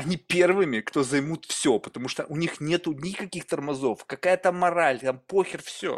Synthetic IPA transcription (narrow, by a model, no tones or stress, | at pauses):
ɐnʲipʲe̞rvɨmʲɪkt̪o̞zɐjmut̪fsʲopə̥t̪ɐmuʂt̪ə̰ʔʊnʲixnʲe̞t̪ʊnʲɪkɐkʲixt̪ərmɐzo̞fkɐkajət̪amːɐɾalʲt̪ampoxʲɪrfsʲo̰